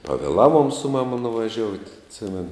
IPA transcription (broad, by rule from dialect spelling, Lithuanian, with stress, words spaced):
pɐʋʲeːˈlˠɑːˌʋuɔm sʊ ˈmɑːmɐ nʊʋɐˈʒʲoːʊtʲ ɐtʲˈsʲɪmʲɛnʊ